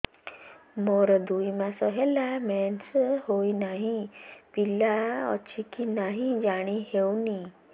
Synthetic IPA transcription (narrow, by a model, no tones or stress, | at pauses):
mɔɾd̪uimasɔɦɛlamɛnshoinaɦipilaɔ̰t͡ɕʰikinaɦĩd͡ʑaɽ̃iɦewni